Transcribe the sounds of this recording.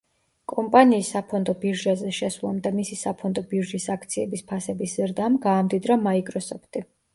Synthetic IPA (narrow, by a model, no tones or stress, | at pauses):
kʼɔmpʼaniːsːapʰɔnd̪ɔbiɾʒazɛʃɛsvlˠa̰md̪amisisapʰɔnd̪ɔbiɾʒisakʰt̪sʰiɛbispʰasɛbiszɾd̪amɡaːmd̪id̪ɾamaikʼɾɔsɔpʰt̪ʼi